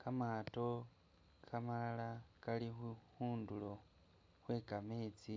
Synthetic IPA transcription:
kamaːto̞ | kʰamalalakalixuxuːndulo̞ | xwe̞ːkame̞ːt͡si

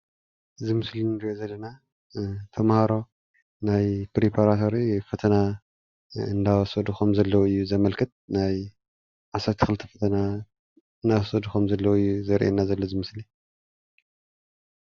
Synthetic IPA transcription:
ʔɨzɨmɨslinɨɾiʔozɐlːɐna | t̪ʰɐmhaɾo̞ | najpɾepʰaɾat̪ʰo̞ɾifɐt̪ʰɐna | ɨnd̪awɐsɐd̪uxomzɐlːɐwɨjːuzɐmɐlkʰɨt̪̚naj | ʕasɐt̪ʰi̥kʰɨlɨt̪ʰɐ̥fɐt̪ʰɐna | ɨnawsɐd̪uxomzɐlːɐwɨjːuzɐɾʔḛnazɐlːozɨmɨsli

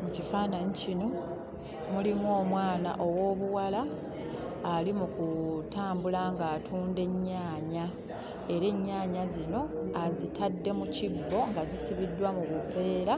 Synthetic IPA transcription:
mucifaːnaɲicino̞ | mulimwoːmwaːna̰ʔo̞wo̞ːβuwalaː | limukutaːmbulaŋɡaːtʰuːnde̞ɲːaːɲa | e̞ɾe̞ɲːaːɲazino̞azitadːe̞mucibːo̞ŋɡazisiβidːwamuβuve̞ːɾa

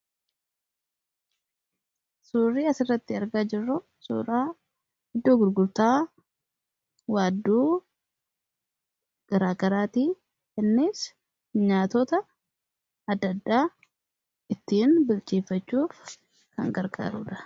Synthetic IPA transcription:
suːrːiːɐsɪrːɐt̪ːɪɐɾɡaːd͡ʒɪrːʊ | sṵːɾaː | hɪd̪ːoːɡʊɾɡʊlt̪aː | waːd̪ːuː | ɡ̥ɐɾaːɡɐɾaːt̪iː | kɛnːeːs | ɲaːt̪ɔt̪ɐ | ɐd̪ːɐd̪ːaː | ɪt̪ːiːnbʊlt͡ʃʼiːfːɐt͡ʃːuː | kɐ̰ŋɡɐɾɡa̰ːɾṵːᶑɐ̥

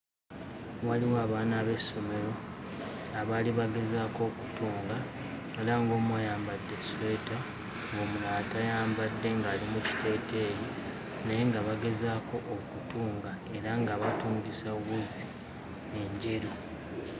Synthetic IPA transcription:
waliwaːβaːnaːβe̞sːo̞me̞ɾo̞ | aβaːliβaɡe̞zaːko̞ːku̥tuːŋɡa | elaŋɡo̞ːmwajaːmbadːe̞sweta | ŋɡo̞ːmulaːtajaːmbadːe̞ŋɡaːlimuci̥te̞ːte̞ːji | nejeŋɡaβaɡe̞zaːko̞ʔːkutuːŋɡa | e̞ɾaŋɡaβatuːŋɡisawui | e̞ɲɟe̞ɾu

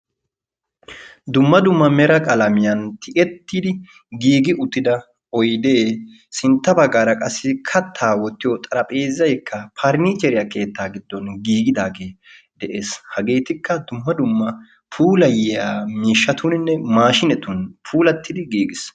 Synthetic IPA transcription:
d̪ʊmːɐd̪ʊmːɐmɛɾɐkʼɐlɐmɪjɐnt̪ʰɪʔɛt̪ːɪd̪ɪ | ɡiːɡɪʔʊt̪ːɪd̪ɐ | ɔjd̪eː | sɪnt̪ːɐbɐɡːaːɾɐkʼɐsːɪkʰɐt̪ʰːaːwɔt̪ːɪjɔt̪ʼɐɾɐpʼeːzːɐjkʰːɐpʰaɾniːt͡ʃɛɾɪjake̞ːt̪ːaːɡɪd̪ːɔnɡiːɡɪd̪aːɡeː | d̪̥ɛʔeːshɐɡe̞ːt̪ɪkːɐd̪ʊmːɐd̪ʊmːɐ | pʰuːlɐjɪjaːmiːʃːɐt̪ʊnɪnːɛmaːʃɪnɛt̪ʊnpʰuːlɐt̪ːɪd̪ɪɡiːɡɪs

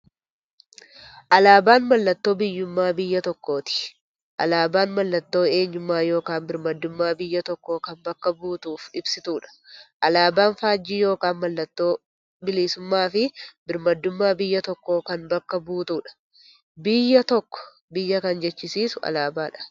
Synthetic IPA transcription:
ʔɐlaːbaːnmɐlːɐt̪ːo̞ːbɪjːʊmːaːbɪjːɐt̪ɔkːo̞ːt̪ɪ̥ | ʔɐ̰laːbaːnmɐlːɐt̪ːo̞ːe̞ːɲːʊmːaːjo̞ːkaːnbɪɾmɐd̪ːʊmːaːbɪjːɐt̪ɔkːo̞ːkɐnbɐkːɐbuːt̪uːfɪbsɪt̪uːᶑɐ̥ʔɐlaːbaːnfaːd͡ʒːiːjo̞ːkaːnmɐlːɐt̪ːo̞ː | bɪliːsʊmːaːfɪbɪɾmɐd̪ːʊmːaːbɪjːɐt̪ɔkːo̞ːkɐnbɐkːɐbuːt̪uːᶑɐ̥ | bɪjːɐt̪ɔkːɔ̥ | bɪjːɐkɐnd͡ʒɛt͡ʃːɪsiːsʊɐ̰laːbaːᶑɐ̥

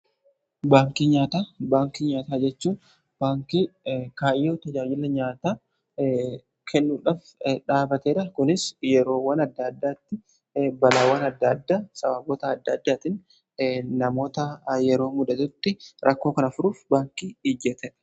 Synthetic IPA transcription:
baːŋkiːɲaːt̪aːbaːŋkiɲaːt̪aːd͡ʒɛt͡ʃːuːn | b̥aːŋkikaːɪjːoːt̪ɐd͡ʒaːd͡ʒɪlɐɲaːt̪aː | kʰɛnːuːᶑaːf | ᶑaːbɐt̪eːᶑɐkʊnɪsjɛɾo̞ːwɐnɐd̪ːɐd̪ːaːt̪ːɪ | bɐlaːwɐnɐd̪ːɐd̪ːaːsʼɐbɐboːt̪ɐːd̪ːɐd̪ːaːt̪ɪn | nɐmo̞ːt̪ɐjɛɾo̞ːmʊd̪ɐt̪ʊt̪ːɪɾʔɐkːo̞ːkɐnɐfʊɾuːfbaːŋkiːid͡ʒɛt̪ɛᶑ̥

